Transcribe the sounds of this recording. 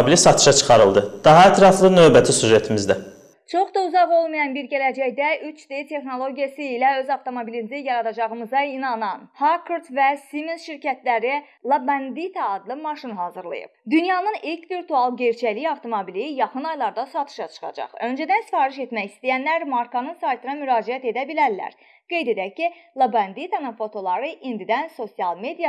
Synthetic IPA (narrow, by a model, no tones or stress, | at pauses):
bilisɑt̪ʰɯ̥ʃɑt͡ʃʰɯ̥χɑɾɯlˠd̪ɯd̪̥ɑɦɑæt̪ʰɾɑflˠɯnø̞vbæt̪ʰisyʒet̪ʰimizd̪æ | t͡ʃʰo̞χd̪ɑuzɑʁo̞lˠmɯjɑnbiɾɟælæd͡ʒæjd̪æʔyt͡ʃd̪et̪ʰe̞xno̞lˠo̞ɟijɑsɯilæø̞zɑft̪ʰo̞mobilinzijɑɾɑd̪ɑd͡ʒɑʁɯmɯzɑinɑnɑnhakʰuɾt̪væsiminsʃiɾcʰæt̪læɾi | lˠɑbænd̪it̪ʰæːd̪lˠɯmɑʃinɦɑːzɯɾlˠɯ̰jɯ̰bd̪ynjɑnɯnilcʰviɾt̪ʰuɑlˠɟeɾt͡ʃʰæliɑvt̪ʰo̞mobilijɑχɯnɑjlˠɑɾd̪ɑsɑt̪ʰɯ̥ʃɑt͡ʃʰɯ̥χɑ̰d͡ʒɑ̰χø̞nd͡ʒæd̪ænsi̥fɑːɾiʃe̞t̪mæçist̪ijænlæɾmɑɾkʰɑnɯnsɑjt̪ʰɯnɑmyɾɑːd͡ʒiæt̪e̞d̪æbilæɾlæ̰ɾ | ɡ̥e̞jd̪e̞d̪æcːilˠabænd̪it̪ʰɑnɯnfo̞t̪ʰo̞lˠɑɾɯʔind̪id̪ænso̞siɑlˠme̞d̪ijɑ